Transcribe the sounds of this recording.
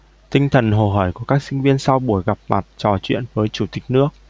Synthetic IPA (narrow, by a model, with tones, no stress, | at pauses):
t̪ï˧ŋ̟t̪ʰə˨˩nɦo̰˨˩ɦɔː˧˩jku˧˩əkaː˦˥k̚sï˧ŋ̟vi˧ənsa˧wɓu˧˩əjɣa˨˩p̚ma˨˩t̚t͡ɕɔ˨˩t͡ɕwḭ˧˨ənvəː˨˦jt͡ɕu˧˩t̪ï˨˩k̟̚nɨ˦˥ək̚